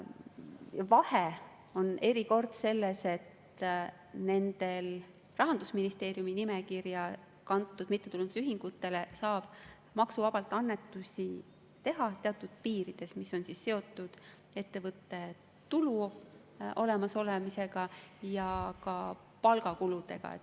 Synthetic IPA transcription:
ɑvɑhe | o̞ne̞ɾiko̞rd̪̥se̞lːese̞t̪ | ne̞nd̪e̞l | rɑɦɑnd̪usminist̪e̞ːɾjuminimekirjɑ | kɑnt̪ːˑud̪mit̪ːeuluneyɦiŋɡ̥ut̪ːˑe̞lesɑːb̥ | mɑksuvɑb̥ɑlt̪ːˑɑnːe̞t̪ːˑusʲi | t̪e̞ɦɑt̪e̞ɑt̪ːˑud̪̥̚piːɾid̪̥e̞smiso̞nsisːe̞o̞t̪ːˑud̪̥ | e̞t̪ːe̞vɤt̪ːˑe̞ | t̪ulu | ʔo̞lemɑso̞lemise̞ɡ̥ɑjɑkɑ | pɑlɡɑkulud̪̥e̞̰ɡ̥ɑ̰ḛ

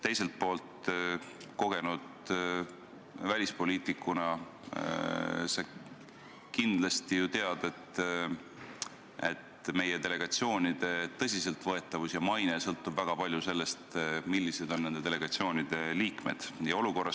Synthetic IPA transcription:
t̪e̞jse̞lt̪̚po̞ːlt̪ | ko̞ɡ̥e̞nud̪̥ | vælʲispo̞liːt̪ˑikːˑunɑ | se | kind̪̥lɑst̪ijut̪eɑd̪̥e̞t̪ | e̞t̪me̞je̞t̪e̞le̞ɡ̥ɑt̪sio̞ːnid̪̥e̞t̪ɤ̞sʲise̞lt̪vɤe̞t̪ːˑɑvusjɑmɑjne̞sɤlt̪ːˑubvæɡ̥ɑpɑlʲjuse̞lːe̞st̪milʲːise̞d̪o̞nːe̞nd̪e̞t̪e̞leɡ̥ɑt̪sio̞ːnid̪̥e̞liːkme̞̰d̪̥jɑo̞luko̞rːɑ

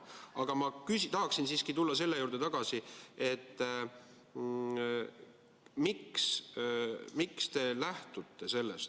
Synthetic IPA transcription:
ɑɡ̥ɑmɑkysit̪ɑɦɑksinsiːskit̪ulːɑse̞lːe̞juːɾd̪̥e̞t̪ɑɡ̥ɑsie̞t̪ː | miks | mikst̪e̞læht̪ut̪ːe̞se̞lːe̞st̪

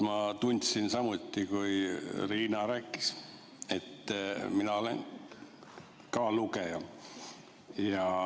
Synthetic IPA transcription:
mɑt̪unʲt̪sinsɑmut̪ʲːikujriːnɑɾæːkˑːi̥s | et̪ːminɑo̞lḛn | kɑːlukejɑ | jɑ

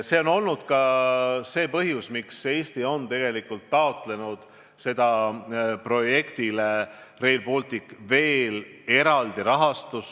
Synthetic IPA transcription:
se̞ːo̞no̞lnud̪̥kɑse̞ːpɤɦjusmikse̞ːst̪io̞nt̪e̞ɡ̥e̞likːˑult̪ːɑo̞t̪le̞nud̪̥ | se̞d̪̥ɑ | pro̞je̞kt̪ilere̞jlpolt̪ikːve̞ːle̞ɾɑld̪̥iɾɑɦɑst̪us

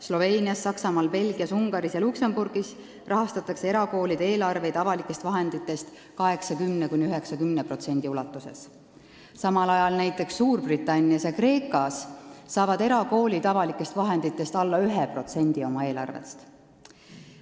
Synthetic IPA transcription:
slo̞ve̞ːnʲiɑsːɑksɑmɑːlpe̞lɡ̥iɑsuŋɡ̥ɑɾisjɑluksemburɡ̥is | rɑɦɑst̪ɑt̪ːˑɑkse̞eɾɑko̞ːlʲid̪̥e̞ːlɑrve̞jt̪ɑvɑlikːˑe̞st̪vɑɦe̞nd̪̥it̪ːˑe̞st̪ | kɑɦe̞ksɑkymnekunʲiyɦe̞ksɑkymnepro̞t̪se̞nʲd̪̥iulɑt̪ːˑuse̞̰s | sɑmɑlɑjɑlnæjt̪ːˑe̞ksːuːrb̥rit̪ːˑɑnʲːiɑsjɑkre̞ːkˑɑsːɑːvɑd̪e̞ɾɑko̞ːlʲit̪ɑvɑlikːˑe̞st̪vɑɦe̞nd̪̥it̪ːˑe̞st̪ɑlːɑyɦepro̞t̪se̞nʲd̪̥io̞mɑe̞ːlɑ̰rvḛst̪

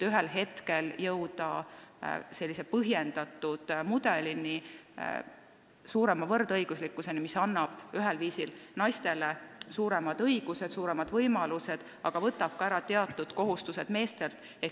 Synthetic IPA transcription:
t̪yɦelɦe̞t̪ke̞ljɤwd̪ɑ̰ | se̞lʲːisepɤɦje̞nd̪̥ɑt̪ːˑud̪̥mud̪̥e̞lini | suːɾe̞mɑvɤrd̪̥ɤjɡ̥uslikːˑuse̞nimisɑnːɑb̥yɦelviːsilnɑjst̪e̞lesuːɾe̞mɑd̪̥ɤjɡ̥use̞d̪̥suːɾe̞mɑd̪̥vɤjmɑluse̞d̪̥ | ɑɡ̥ɑvɤt̪ːˑɑb̥̚kɑæɾɑt̪e̞ɑt̪ːˑud̪̥ko̞ɦust̪use̞d̪̥me̞ːst̪e̞lt̪ | e

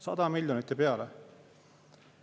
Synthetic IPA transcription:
sɑ̰d̪ɑmilʲjonit̪ːˑipeɑlɛ

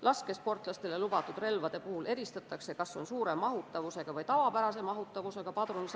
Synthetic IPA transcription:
lʔɑske̞spo̞rt̪ˑlɑst̪e̞le̞lub̥ɑt̪ːˑud̪re̞lvɑd̪̥e̞puhule̞ɾist̪ɑt̪ːˑɑkse̞kɑsːo̞nsuːɾe̞mːɑɦut̪ːˑɑvuse̞ɡ̥ɑvɤjt̪ɑvɑpæɾɑse̞mɑɦut̪ːˑɑvuse̞ɡ̥ɑpɑd̪̥runis

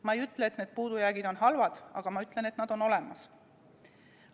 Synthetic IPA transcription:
mɑejyt̪ːˑlet̪neːd̪̥̚puːd̪̥ujæːɡid̪̥o̞nɦɑlvɑd̪̥ɑ̰ɡ̥ɑmɑyt̪ːˑle̞ne̞t̪nɑd̪̥o̞no̞le̞mɑs

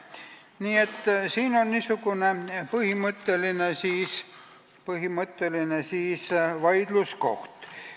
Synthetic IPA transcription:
niːe̞t̪ːsiːno̞nnisuɡune̞pɤhimɤt̪ːelinesiːs | pɤɦimɤt̪ːelinesiːsvɑjd̪̥lusko̞̰ht̪

